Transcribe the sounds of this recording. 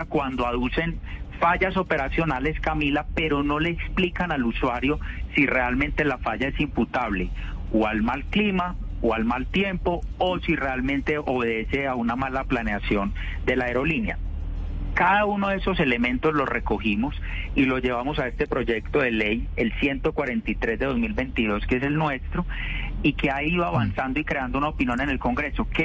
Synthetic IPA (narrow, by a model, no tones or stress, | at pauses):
kwand̪oaðuse̞nfaʝaso̞pe̞ɾasjo̞nale̞skamilape̞ɾo̞no̞le̞ːksplikanaluswaɾjo̞sire̞almẽnt̪e̞lafaʝae̞simput̪aβle̞oalmalklima | oalmalt̪je̞mpo̞osire̞almẽnt̪e̞ʔo̞βe̞ðe̞se̞aunamalaplaneasjo̞n | d̪e̞laeɾo̞linja̰ | kaðaunoðee̞so̞se̞le̞mẽ̞nt̪o̞zlo̞rʔe̞ko̞himo̞s | ilo̞d͡ʒe̞βamo̞sae̞st̪e̞pɾo̞d͡ʒe̞kt̪o̞ðe̞le̞je̞lsje̞nt̪o̞kwaɾe̞nt̪it̪ɾe̞zd̪e̞ðo̞zmilbe̞jnt̪iðo̞skeeselnwe̞st̪ɾo̞ikeaiðoaβansand̪oikɾe̞and̪ounaopinjo̞ne̞ne̞lko̞ŋɡɾe̞so̞ke